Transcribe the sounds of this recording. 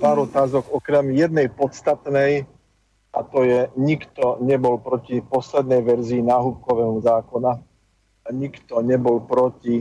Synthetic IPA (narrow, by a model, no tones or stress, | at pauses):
paːɾɔt̪aːzɔɡɔkɾɛmjɛd̪nɛjpɔt̪st̪at̪nɛj | ʔa̰t̪ɔjɛɲikt̪ɔɲɛbɔlpɾɔcipɔslɛd̪̚nɛjʋɛɾziːnaːɦup̚kɔʋɛːmuzaːkɔna | aɲikt̪ɔɲɛbɔlpɾɔci